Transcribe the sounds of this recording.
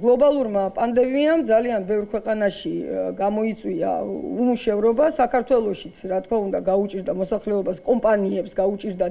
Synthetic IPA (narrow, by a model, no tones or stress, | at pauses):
ɡlˠɔbalˠuɾmapʼand̪ɛmiamd̪zalianbɛvɾkʰwɛqʼanaʃiɡamɔit̪sʼwia̰umuʃɛvɾɔbasakʰaɾt̪ʰwɛlˠɔʃit̪sʰɾat̪ʰkʰmaund̪aɡaut͡ʃʼiɾd̪amɔsaχlɛɔbaskʼɔmpʼaniɛpsɡaut͡ʃʼiɾd̪a